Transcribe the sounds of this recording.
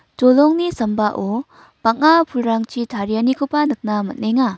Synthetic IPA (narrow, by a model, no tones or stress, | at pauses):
d͡ʒɔlɔŋnisəmbaʔo | b̥ak̚ŋapʰulɾaŋt͡ʃitʰaɾijanikopanɯk̚namɐt̚neŋa